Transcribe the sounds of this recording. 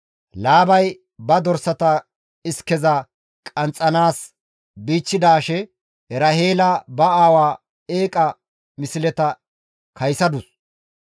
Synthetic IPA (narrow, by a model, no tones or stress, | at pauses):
laːbɐj | bɐd̪ɔɾsɐt̪ɐ | ɪskɛzɐ | kʼɐnt͡sʼːɐnaːs | biːt͡ʃːɪd̪aːʃɛ | ɛɾɐhe̞ːlɐbɐaːwaː | eːkʼɐ | mɪsɪlɛt̪ɐ | kʰɐjsɐd̪ʊs